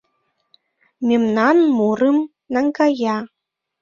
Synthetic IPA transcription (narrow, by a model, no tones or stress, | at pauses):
mʲimnɑnmuɾɨm | naŋkaja